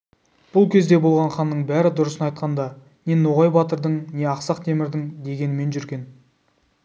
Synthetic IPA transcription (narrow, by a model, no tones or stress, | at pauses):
b̥ʊlˠkʲʰe̞zd̪e̞bo̞lˠʁɑɴχɑnːəɴbæɾɪd̪ʊɾəsənɑjt̪̚qɑnd̪ɑ | ne̞noʁɑjbɑt̪əɾd̪əɴne̞ɑqsɑqt̪ʰe̞mɪɾd̪ɪŋd̪e̞ɡʲe̞nɪme̞nʒʏɾɡʲe̞n